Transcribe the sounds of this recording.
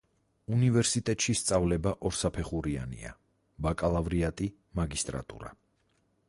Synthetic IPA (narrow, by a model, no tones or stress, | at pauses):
univɛɾsit̪ʼɛt̪ʼʃist̪sʼavlɛbaʔɔɾsapʰɛχuɾia̰nḭa̰ | bakʼalˠavɾiat̪ʼi | maɡist̪ʼɾa̰t̪ʼṵɾa̰